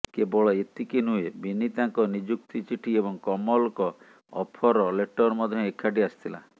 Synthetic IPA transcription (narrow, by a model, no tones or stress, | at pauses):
kebɔɭɔet̪ikinuebinit̪aŋkɔnid͡ʒuk̚t̪it͡ʃiʈʰiebɔŋkɔmɔlɔkɔ | ɔ̰pʰɔɾɔleʈɔɾmɔd̪ʱjɔ̃ekʰːaɖiast̪ʰila̰